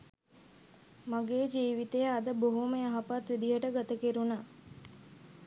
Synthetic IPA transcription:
maɡeːd͡ʒiːʋit̪ejəad̪əboɦuməaɦapat̪ʋid̪iɦəʈəɡat̪əkeɾunaː

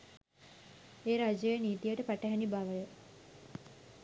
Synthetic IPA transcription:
eːɾad͡ʒejəniːt̪ijəʈəpæʈəɦænibaʋəjə

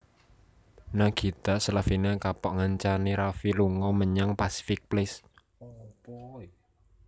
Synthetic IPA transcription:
naɡ̥i̤t̪asəlafinekapɔʔŋaɲt͡ʃaniɾafiluŋɔməɲaŋpasi̥fɪk̚plɪs

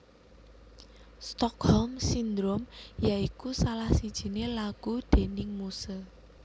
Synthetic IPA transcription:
st̪ɔkhɔlmsind̪ɾomjaikusalahsid̥ʒ̥i̤nelaɡ̥ud̪̥e̤nɪŋmusə

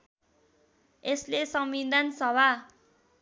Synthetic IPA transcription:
eslesʌmid̪ʱansʌba

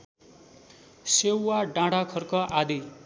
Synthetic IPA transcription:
sewːaɖãɽakʰʌrkʌʔad̪i

